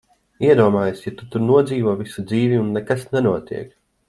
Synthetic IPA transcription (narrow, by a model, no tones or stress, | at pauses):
iɛd̪uɔmaːjasjat̪ut̪uɾnuɔd̪ziːvuɔvisud̪ziːviunːɛkasnɛnuɔt̪ḭɛk